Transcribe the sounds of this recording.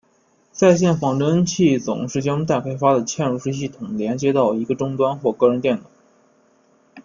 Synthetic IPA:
sa˥˧ɪɕ̬jɛ˥˩nfɑ˨˩ŋt̪wə˥nt͡ɕʰi˥˩t͡sʊ̰˨˩ŋʂɻ̩˥˩t͡ɕjɑ˥ŋt̪a˥˩kʰa˥ɪfa˥d̪ə˨t͡ɕʰjɛ˥˧nɻu˥˧ʂɻ̩˥˧ɕ̬i˥˩t̪ʰʊ˨˩ŋljɛ˧˥nt͡ɕjɛ˥t̪ɑ˥˩ʊi˧˥ɡə˧ʈ͡ʂʊ˥ŋt̪wa˥nxwɔ˥˧kɤ˥˩ɻə˧˥nt̪jɛ˥˩nɑ˨˩˦

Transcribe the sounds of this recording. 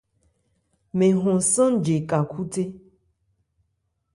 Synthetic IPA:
mẽ˨ɦɔ̃˨sə̃˦d͡ʒe˨ka˨kʰu˦te˦

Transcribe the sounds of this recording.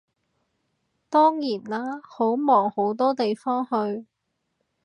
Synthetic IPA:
t̪ɔː˥ŋjiː˨˩nlaː˥ho˨˥wmɔː˨˩ŋho˨˥wt̪ɔː˥t̪e˨jfɔː˥ŋhɵ˧ɥ

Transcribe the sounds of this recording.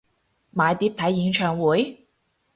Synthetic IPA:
maː˨˧jt̪iː˨˥p̚t̪ʰɐ˨˥jːiː˨˧˥ŋt͡ʃʰœː˨˩ŋwuː˨˥j

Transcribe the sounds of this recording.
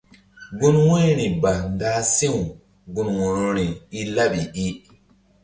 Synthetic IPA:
ɡu˦nwo˦ɾi˨ba˨nda˦si˦wu˨ | ɡu˦nwo˨no˦ɾi˨i˦la˦ɓi˨i˦

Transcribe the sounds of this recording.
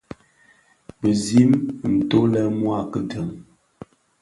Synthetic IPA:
bə˨zi˦mn̩˨to˦lɛ˦mwa˦˨kə˦tə˨ŋ

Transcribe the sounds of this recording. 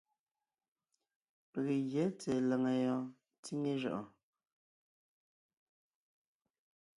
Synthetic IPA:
pe˨ɣe˨ɣje˨˦t͡sɛ˨lɛ˨ŋə˨jɔ˦ | t͡si˦ŋe˦ʒɔ̰˨ʔɔ˨

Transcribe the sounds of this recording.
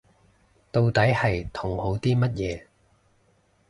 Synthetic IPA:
t̪o˧wt̪ɐ˨˥jhɐ˨jt̪ʰʊ˨˩ŋho˨˥wt̪iː˥mɐ˥t̚jɛː˨˧

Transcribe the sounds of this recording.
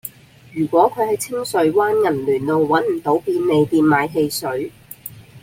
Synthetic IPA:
jyː˨˩kʷɔː˨˥kʰɵ˨˧ɥhɐ˨jt͡sʰɪ˥ŋsɵ˨˥ɥwaː˥nŋɐ˨˩nlyː˨˩nlo˨wwɐ˨˥nm̩˨˩t̪o˨˥wpiː˧nːe˨˧jp̪iː˧nmaː˨˧˥jɦe˧jsɵ˨˥ɥ

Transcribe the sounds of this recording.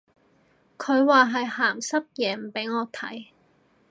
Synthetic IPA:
kʰɵ˨˧ɥwaː˨˧ɦɐ˨jhaː˨˩msɐ˥p̚jɛː˨˩m̩˨˩pe˨˥jŋɔː˨˧t̪ʰɐ̰˨˥j

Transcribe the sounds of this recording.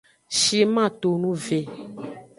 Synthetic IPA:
ʃi˦mã˦˨t̪o˨nũ˦ve˨

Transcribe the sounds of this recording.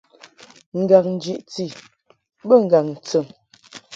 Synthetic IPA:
ŋ̩˨ɡa˨k̚n̩˨d͡ʒi˦˨ʔt͡si˨ | bə˦˨ŋ̩˨ɡa˨ŋn̩˨t͡sə˨ŋ

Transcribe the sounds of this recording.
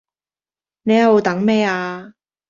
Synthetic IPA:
ne˨˧jɐ˨wo˨˧t̪ɐ˨˥ŋmɛː˥aː˧

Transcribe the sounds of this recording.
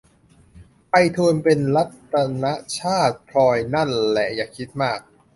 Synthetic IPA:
pa˧jt̪ʰu˧npe˧nla˦˥t̪ːa˧na˦˥ʔt͡ɕʰaː˥˩t̪̚pʰlɔː˧jna˥˩nlɛ̰˨˩jaː˨˩kʰi˦˥t̪̚maː˥˩k̚

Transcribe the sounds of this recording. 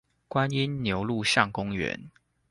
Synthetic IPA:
kwa˦ni˦nnjo˧˦ʊlu˥˨ɕjɑ˥˨ŋkʊ˦ŋɥɛ̰˧˦n

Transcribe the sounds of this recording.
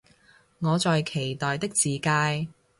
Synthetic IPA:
ŋɔː˨˧t͡sɔː˨jkʰe˨˩jt̪ɔː˨jt̪ɪ˥k̚t͡siː˨kaː˧j

